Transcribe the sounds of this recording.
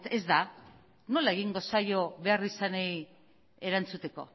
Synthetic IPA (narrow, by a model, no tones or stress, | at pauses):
e̞zd̪a | no̞lae̞ɣ̞iŋɡo̞sajo̞βe̞arisanej | e̞ɾant͡sut̪e̞ko̞̰